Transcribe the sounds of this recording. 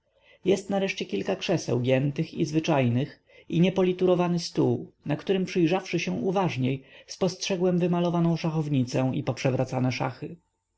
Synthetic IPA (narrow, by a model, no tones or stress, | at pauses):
jɛst̪naɾɛʂt͡ɕɛkʲilkakʂɛsɛ̰wɡʲjɛnt̪ɘxizvɘt͡ʂajnɘx | iɲɛpɔlʲit̪uɾɔvanɘst̪uwnakt̪uɾɘmpʂɘjʐafʂɘɕɛw̃ʔuvaʐɲejspɔstʂɛɡwɛmvɘmalɔvanɔ̃w̃ʂaxɔvɲit̪sɛ̃ipɔpʂɛvɾʔat̪sanɛʂa̰xɘ